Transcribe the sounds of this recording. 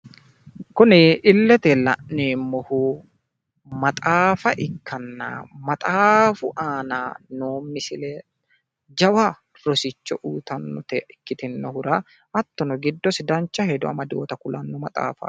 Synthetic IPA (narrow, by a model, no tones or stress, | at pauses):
kʊnɪɪlːɛt̪ɛlɐ̰ʔːeːmːɔhuː | mɐt̪ʼaːfɐʔɪkːɐnːa̰ːmɐt̪ʼaːfʊʔaːnaːnoːmːɪsɪleː | d͡ʒɐwa | ɾɔsɪt͡ʃːɔʔuːt̪ɐnːɔt̪ɛɪkːɪt̪ɪnːɔhʊɾa | ɐt̪ːɔnɔɡɪd̪ːɔsɪd̪ɐnt͡ʃːɐhɛd̪ɔɐ̰mɐd̪oːt̪ɐkʊlɐnːɔmɐt̪ʼa̰ːfɐ̰